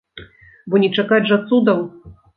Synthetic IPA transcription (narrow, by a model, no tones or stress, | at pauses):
bɔnʲɛt͡ʂakad͡zʲʐat̪sud̪ɐm